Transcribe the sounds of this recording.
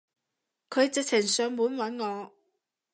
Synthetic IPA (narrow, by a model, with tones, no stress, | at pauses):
kʰɵ˨˧ɥt͡sɪ˨k̚t͡sʰɪ˨˩ŋsœː˨˧ŋmuː˨˧˥nwɐ˨˥nŋɔː˨˧